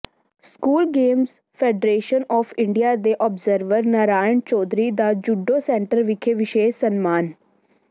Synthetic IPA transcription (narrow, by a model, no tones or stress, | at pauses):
skuːlɡeːmz | pʰɛːɖɾeːʃənɔːfʰɪ̃ɳɖijaːd̪eːʔɔːbzəɾʋəɾnaɾaːjənt͡ʃɔːd̪ɾiːd̪aːd͡ʒʊɖːoːsɛ̃ːɳʈəɾʋɪkʰeːʋɪʃeːsənmaːn